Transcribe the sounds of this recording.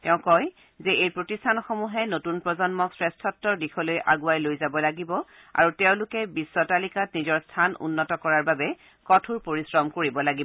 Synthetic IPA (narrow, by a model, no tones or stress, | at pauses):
tɛʊ̃kɔj | zɛʔejpɹotistʰanɔxɔmuɦɛnotunpɹɔzɔnmɔksɹɛstʰɔtːɔɹdixʰɔlojʔa̰ɡuajlojzabɔlaɡibɔ | a̰ɹutɛʊ̃lʊkɛbisːɔtalikatnizɔɹstʰanṵnːɔtɔkɔɹaɹbabɛ | kɔtʰuɹpoɹisɹɔmkoɹibɔlaɡibɔ